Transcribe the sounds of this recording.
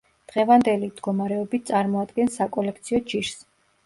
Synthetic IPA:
d̪̥ʁɛvand̪ɛlimd̪ɡɔmaɾɛɔbit̪̚ʰt̪sʼaɾmɔad̪ɡɛnsːakʼɔlɛk̚ʰt̪sʰiɔd͡ʒiɾs

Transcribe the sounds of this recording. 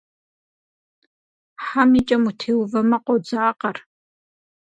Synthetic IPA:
ħamit͡ʃʼɐmutʰeːwvɐmɐqʷod͡zaːqɐr

